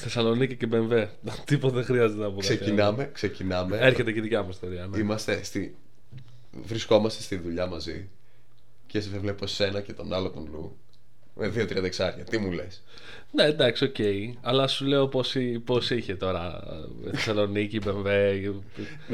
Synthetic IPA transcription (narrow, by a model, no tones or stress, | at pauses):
θe̞sɐlo̞nicicebe̞ɱve̞ | t̪ipot̪ðexɾiɐzet̪enɐpuðseinɐmekse̞cinɐmeeɾçe̞t̪eceðicɐmust̪ioɾiɐnimɐst̪e̞st̪i | vɾisko̞mɐst̪est̪inðuʎɐmɐzi | cesevleposse̞nɐcet̪o̞nɐlot̪onlṵ | meðio̞t̪ɾiɐd̪ɐeksɐɾçɐt̪imule̞̰s | neːd̪ɐksio̞ce̞iɐlɐsule̞o̞posipo̞siçe̞t̪o̞ɾɐ̰ | θesɐlo̞nicibe̞ɱve̞